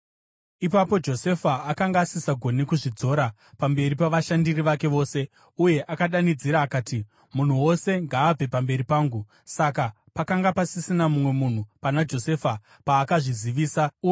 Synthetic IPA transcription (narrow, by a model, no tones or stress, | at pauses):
ipapo̞d͡ʒo̞se̞faːkaŋɡaːsisaɡʱo̞nikuʐid͡zo̞ɾa | pambe̞ɾipaʋaʃandiriʋake̞ʋo̞ːse̞ | uje̞ʔakaɗanid͡ziɾaːkaːti | mun̤uwo̞se̞ŋɡaːb͡ve̞pambe̞ɾipaːŋɡu | saka | pakaŋɡapasisinamumwe̞mun̤upanad͡ʒo̞se̞fa | paːkaʐiziʋiːsa